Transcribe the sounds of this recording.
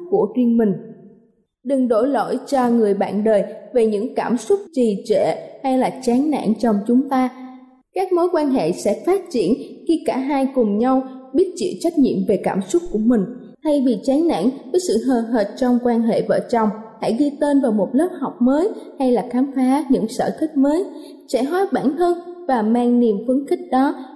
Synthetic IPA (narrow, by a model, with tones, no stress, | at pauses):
ku˧˩əzwi˧ənmï˨˩ŋ̟ | ɗɨ˨˩ŋɗo˧˩jlo̰˧˥˨jt͡ɕɔ˧ŋɨ˨˩əjɓa̰ː˧˨nɗəː˨˩jve˨˩ɲɨ̰˧˥ŋkaː˧˩msʊ˦˥k͡p̚t͡ɕi˨˩t͡ɕɛ̰˧˩˨ha˧jlaː˨˩t͡ɕaː˨˦nna̰ː˧˥˨nt͡ɕɔ˧wŋ͡mt͡ɕʊ˨˦ŋ͡mt̪aː˧ | kaː˦˥k̚mo˨˦jkwaː˧nɦḛ˧˨sɛ̰˧˥faː˦˥t̚t͡ɕḭ˧˩˨ənxi˧kaː˧˩ɦaː˧jkʊ˨˩ŋ͡mɲa˧wɓi˦˥ət̚t͡ɕḭ˧˨t͡ɕa˦˥jk̟̚ɲḭ˧˨əmve˨˩kaː˧˩msʊ˦˥k͡p̚ku˧˩əmï˨˩ŋ̟ | t̪ʰa˧jvi˨˩t͡ɕaː˨˦nna̰ː˧˥nvəː˨˦jsɨ̰˧˨ɦəː˨˩ɦəː˨˩t̚t͡ɕɔ˧wŋ͡mkwaː˧nɦḛ˧˨və̰ː˧˩t͡ɕɔ˨˩wŋ͡mha̰˧˥jɗi˧t̪e˧nvaː˨˩wmo˨˩t̚ləː˦˥p̚hɔ˨˩wk͡p̚məː˨˦jha˧jlaː˨˩xaː˨˦mfaː˨˦ɲɨ̰˧˥ŋsə̰ː˧˩xi˦˥k̟̚məː˨˦j | sɛ̰˧˥ɦaː˨˦ɓaː˧˩nh̪əː˧nvaː˨˩maː˧ŋni˨˩mfɨ˧˦ənxï˦˥k̟̚ɗɔ˨˦